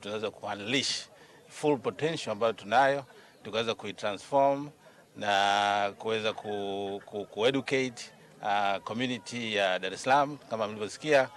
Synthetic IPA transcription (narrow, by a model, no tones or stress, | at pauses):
tunawɛzwakuanliʃ | fulpɔtɛnʃɔambajɔtunajɔ | tukawɛzakuitɾansfɔm | nakuwɛzakʰukukuɛɗuket | akɔmjunitʰijaɗaɾɛsalamukamamilivɔsi̥kia